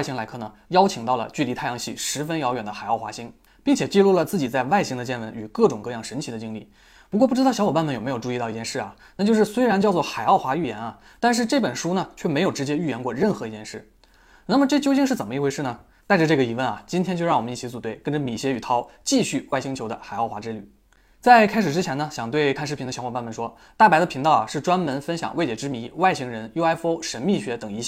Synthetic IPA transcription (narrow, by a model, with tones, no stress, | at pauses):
ɕi˥ŋla˧˥ɪkʰɤ˥˩nə˩jɑ˥ʊt͡ɕʰi˨˩ŋt̪ɑ˥˩ʊlə̰˩t͡ɕy˥˩li˧˥t̪ʰa˥˩jɑ˧˥ŋɕi˥˩ʂɻ̩˧˥fə˥njɑ˧˥ʊɥɛ˨˩nd̪ə˦xa˨˩ɪɑ˥˩xwa̰˧˥ɕi˥ŋ | pi˥˩ŋt͡ɕʰjɛ˨˩t͡ɕi˥˧lu˥˩lə˩t͡sɹ̩˥˩t͡ɕi˨˩t͡sa˥˧ɪwa˥˩ɪɕi˥ŋd̪ə˧t͡ɕjɛ˥˩nwə˧˥ny˨˩kɤ˥˩ʈ͡ʂʊ˨˩ŋkɤ˥˧jɑ˥˩ŋʂə˧˥nt͡ɕʰi˧˥d̪ə˧t͡ɕi˥ŋli˥˩ | pu˧˥k̬wɔ˥˧pu˥˩ʈ͡ʂɻɑ˥˩ʊjɑ˥wɔ˨˩pa˥˧nmə˥˩jo˨˩me˧˥ɪo˨˩ʊʈ͡ʂu˥˧i˥˧t̪i˧t͡ɕjɛ˥˧nʂɻ̩˥˩ɐ̰˩ | na˥˩t͡ɕjʊʂɻ̩˥˧swe˥ɪɻa˧˥nt͡ɕjɑ˥˧ʊt͡swɔ˥˩xa˨˩ɪɑ˥˩ʊxwa˧˥y˥˩jɛ˧˥nɐ˨˩ | t̪a˥˧nʂ̬ɻ̩˥˧ʈ͡ʂɤ˥˩pə˨˩nʂu˥nə˨t͡ɕʰɥɛ˥˩m˧˥ɪjo˨˩ʊʈ͡ʂɻ̩˧˥t͡ɕjɛ˥y˥˩jɛ˧˥ŋkwɔ˥˧ɻə˥˩nxɤ˧˥i˧˥t͡ɕjɛ˥˧ʂɻ̩˥˩ | na˥˩mə˩ʈ͡ʂɤ˥˩˧t͡ɕjo˥ʊt͡ɕi˥˧ŋʂɻ̩˥˩t͡sə˨˩nmə˦˥i˥˩xwɪʂɻ̩˥˩nə˩ | t̪a˥ɪʈ͡ʂə˩ʈ͡ʂɤ˥˩ɡə˩i˧˥wə˥˩nɐ̰˩t͡ɕi˥nt̪ʰjɛ˥t͡ɕo˥˧ʊɻɑ˥˩ŋwɔ˨˩m˦ni˥˩t͡ɕʰi˥t͡su˨˩t̪we˥˩ɪkə˥nʈ͡ʂə˧mi˨˩ɕjɛ˥y˨˩t̪ʰɑ˥ʊt͡ɕi˥˧ɕy˥˩wa˥˩ɪɕi˥ŋt͡ɕʰjo˧˥ʊd̪ə̰˧xa˨˩ɪɑ˥˩ʊxwa˧˥ʈ͡ʂɻ̩˥ly̰˥˩ | t͡sa˥˧ɪkʰa˥ɪʂɻ̩˨˩ʈ͡ʂɻ̩˥t͡ɕʰjɛ˧˥nə˧ɕjɑ˨˩ŋt̪we˥˧ɪkʰa˥˧nʂɻ̩˥˩pʰd̪ə˧ɕɑ˧˥ŋxa˨˩˥ma˥˩nmə˥˩nʂwɔ˥ | t̪a˥˩pa˧˥ɪə˧pʰi˧˥ŋt̪ɑ˥˩ʊɐ˩ʂɻ̩˥˩ʈ͡ʂwa˥nmə˧˥nfə˥nɕjɑ̰˨˩˦ŋwe˥ɪt͡ɕjɛ˨˩ʈ͡ʂɻ̩˥mi˧˥wa˥˩ɪɕi˧˥ŋɻə˧˥njo˥ʊa˥ɪfo˥ʊʂə˧˥nmi˥˩ɕɥɛ˧˥t̪ɤ˨˩ŋi˧˥ɕj